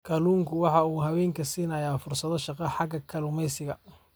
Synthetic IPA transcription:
kʰɐluːŋkʰʊwɑħɑuːɦɐwɛːŋkʰɐsiːnɐjaːfʊrsɐðɔʃɑqɐħɑɡɐkʰɐlumɛjsɪɣɐ

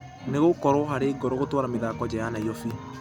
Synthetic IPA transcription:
neɣokɔɾoɦaɾeːɡɔɾoɣotwaɾameðaːkɔd͡ʒɛjanaijɔfi

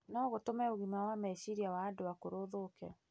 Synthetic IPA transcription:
nɔɣotomɛoɣimawamɛsiɾiawaːdowakoɾoðoːkɛ

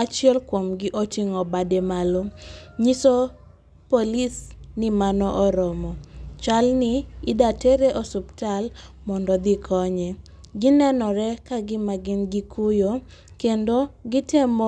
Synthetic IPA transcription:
at͡ʃjɛlkwomɡɪʔotiŋɔbademaloɲiso | polisnɪmanɔʔɔɾɔmɔt͡ʃalnɪːdateɾeʔosuptal | mɔndɔd̪ɪkʰɔɲɛ | ɡinɛnɔɾɛkaɡɪmaɡɪnɡikʰujo | kendoɡɪtemo

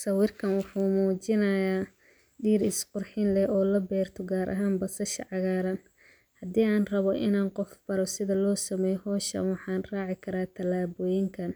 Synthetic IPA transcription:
sɐwɪrkʰɐnwʊħuːmuːt͡ʃɪnɐjaː | ɖiːɾɪsqʊrħɪnlɛʔɔːlɐbɛːrt̪ʰɔɡaːɾʔɐ̰ɦaːnbɐsɐʃɐ̰ʕɑɣaːɾɐn | hɐd̪iːaːnrɐβɔʔɪnaːnqɔfb̥ɐɾɔsɪðɐlɔːsɐmɛːjhɔːʃɐ̰nwɑħɑːnrɑːʕɪkʰɐɾaːt̪ʰɐlaːβɔjɪŋkʰɐn

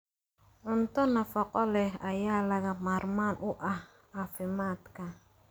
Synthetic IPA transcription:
ʕʊnt̪ɔnɐfɔqʼɔlɛɐjaːlɐɣɐmaːɾmaːnʔʊʔɐh | afɪmaːd̪kʰɐ

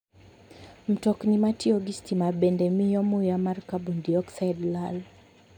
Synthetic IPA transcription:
m̩tɔknimatiɔɡistimabɛndɛmijɔmujamaɾkabundiɔksajdlal

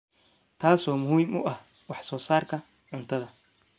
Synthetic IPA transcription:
t̪ʰaːsɔːmʊhiːmʊʔɐh | wɑħsɔːsaːrkʰɐ | ʕʊnt̪ʰɐðɐ

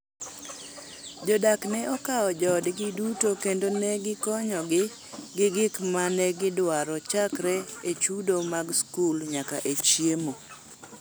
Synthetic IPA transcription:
d͡ʒɔdaknɛʔɔkaɔd͡ʒɔdɡɪdutokendonɛɡɪkɔɲɔɡɪ | ɡɪɡɪkmanɛɡɪdwaɾɔt͡ʃakɾɛet͡ʃudomaɡskulɲakaʔet͡ʃjemo

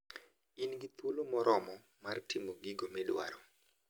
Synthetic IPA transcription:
inɡit̪ulomɔɾʔɔmɔ | martimoɡiɡomɛdwa̰ɾɔ

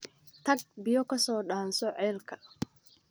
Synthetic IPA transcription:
t̪ʰɐɡ̚bɪjɔkʰɐsɔːɗaːnsɔʕɛːlkʰɐ̥

